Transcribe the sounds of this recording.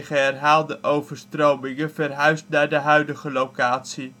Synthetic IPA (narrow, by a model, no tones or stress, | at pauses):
χəɦɛrɦaːlˠdəʔowvəɹstrowmɪŋəvɛrɦœɥstnaːɹdəɦœɥdəχəlowkaːtsi